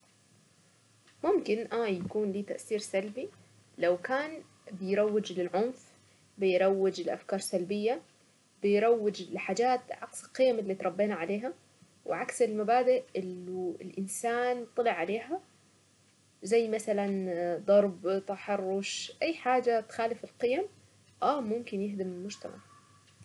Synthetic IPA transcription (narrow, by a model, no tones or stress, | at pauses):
mʊmkɪnʔaːjakuːnliːt̪aʔθiːɾsalbi | lawkaːn | bɪjɾˤɑwːɪd͡ʒlɪlʕʊnf | bɪjɾˤɑwːɪd͡ʒɪlʔa̰fkɑːɾˤsalbɪjːa | bɪjɾˤɑwːɪd͡ʒlɪħaːd͡ʒaːt̪ʕɑksɪlqɪjːamɪlːiːt̪ɾˤɑbːeːnaʕaleːɦa | wɪʕaksɪlmabaːd̪ɪʔʔɪlːuɪ̰lʔɪnsaːnt̪ˤːɨlɪʕaleːɦa | zajːmaθaland̪ˤɑɾˤbt̪aħɑrˤːʊʃʔajːħaːd͡ʒat̪xaːlɪfɪlqɪjam | ʔaːmʊmkɪnjɪɦd̪ɪmɪlmʊd͡ʒt̪a̰ma̰ʕ